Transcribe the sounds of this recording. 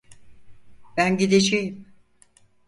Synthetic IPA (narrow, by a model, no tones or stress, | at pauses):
b̥ænɟid̪ed͡ʒejim